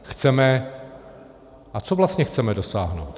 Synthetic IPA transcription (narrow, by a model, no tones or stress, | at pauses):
xt͡sɛmɛ | ʔat͡sovlast̪ɲɛxt͡sɛmɛdo̞saːɦnowt̪